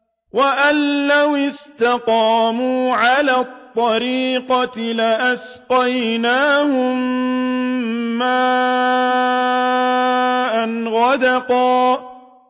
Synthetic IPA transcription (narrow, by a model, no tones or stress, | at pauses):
waʔanːawɪst̪ɑqɑːmuːʕalaːt̪ˤːɑɾiːqɑtlɪʔas | qɑjnaːhʊm | aː | ʔanɣɑd̪ɑqɑː